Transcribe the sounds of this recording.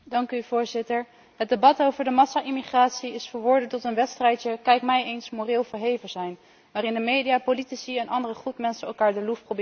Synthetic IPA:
dɑŋkyv̥ʊːɹzɪtəɹ | ɦət̚debɑtowvəɹdəmɑsaʔɪmiχraːtsiɪsfəːɹʋɔɹdəntɔtənʋɛtstrɛjtjəkɛjkmɛjejnsmoːrɪːlˠvəɹɦejvəz̥ɛjn | ʋaːrɪndəmejdijaːpolitisiɛnʔɑndərəχutmɛnsənɛlˠkaːɹdəlufprobɪ

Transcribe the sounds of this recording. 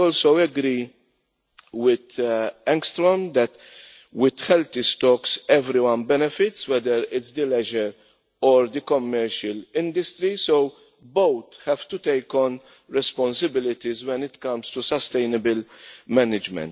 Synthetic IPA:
ɔːlsowɛɡɾi | wɪd̪ɛ̃ŋkst̪ɾɔnd̪ɛt̪ | wɪd̪hɛlt̪ist̪ɔksɛvɾiwɐ̃nbɛnɛfɪt̪swɛd̪əɾɪtsd̪əlɛʒɛɾ | ɔɾd̪ikɔmːɛɾʃəlɪ̃nd̪ɪst̪ɾisow | bowt̪hɛv̥t̪ut̪ejkɔ̃n | ɾɛspɔ̃nsɪbɪlɪt̪izwɛ̃nɪt̪kɐ̃mst̪usɐst̪ejnɪbɪlmɛnɪd͡ʒmɛ̰̃nt̪

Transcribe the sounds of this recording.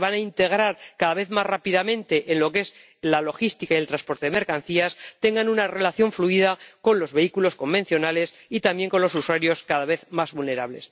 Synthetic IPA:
βanaint̪e̞ɣ̞ɾaɾkaðaβe̞θmasrapiðamẽ̞nt̪e̞ʔenlo̞ke̞s | lalo̞xist̪ikaijelt̪ɾanspo̞ɾt̪e̞ðemeɾkan̟θiast̪e̞ŋɡanunare̞laθjo̞ɱfluiðako̞nlo̞zβe̞ikulo̞sko̞mbe̞nθjo̞nale̞s | it̪ambje̞ŋko̞nlo̞suswaɾjo̞skaðaβ̞e̞θmazβulne̞ɾaβle̞̰s

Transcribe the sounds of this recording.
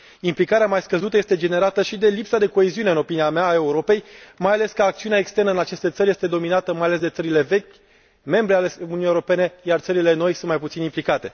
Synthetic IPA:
implikaɾeamajskəzut̪əje̞st̪e̞d͡ʒe̞ne̞ɾat̪əʃid̪e̞lipsad̪e̞ko̞e̞ziune̞ɨno̞piniameaːe̞uɾo̞pe̞jmajale̞skəːk̚t̪siuneaekst̪e̞rnəɨnat͡ʃe̞st̪e̞t̪səɾʲje̞st̪e̞d̪o̞minat̪əmajale̞s̬d̪e̞t̪səɾile̞ve̞kʲ | me̞mbɾealeununjewɾo̞pe̞ne̞jart̪səɾile̞no̞jsunt̪majp̬ut̪sinimplikat̪e̞

